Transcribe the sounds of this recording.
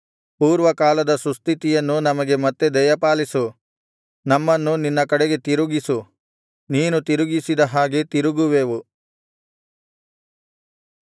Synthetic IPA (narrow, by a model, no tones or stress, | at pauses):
puːɾʋɐkaːlɐd̪ɐsust̪ʰit̪ijɐnːunɐmɐɡe̞mɐt̪ːe̞d̪ɐjɐpaːlisu | nɐmːɐnːuninːɐkɐɽeɡe̞t̪iɾuɡisu | niːnut̪iɾuɡisid̪ɐɦaːɡet̪iɾuɡuʋeːʋu